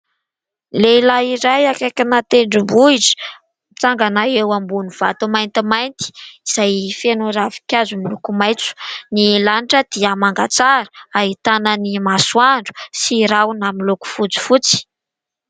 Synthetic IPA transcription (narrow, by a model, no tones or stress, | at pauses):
lelaiɾajakakʲinat̪eɳɖ͡ʐimbuiʈ͡ʂi̥ | t͡saŋɡanaewambunuv̥a̰t̪umajnt̪imajnt̪i̥iz̥ajfenuɾavi̥kʲjazumilukumajt͡su̥nilaniʈ͡ʂəd̪̥iamaŋɡat͡saɾə̥aɦit̪anənimaswaɳɖ͡ʐu̥siɾawnamiluku̥fut͡si̥fut͡si̥